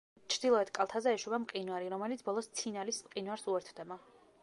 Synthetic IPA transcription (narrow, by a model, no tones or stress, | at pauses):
t͡ʃʰɾd̪ilˠɔɛt̪kʼalˠt̪ʰazɛɛʃuvamqʼinuaɾiɾɔmɛlit̪ʰbɔlˠɔst̪sʰinalismqʼinwaɾsuɛɾt̪ʰd̪ɛba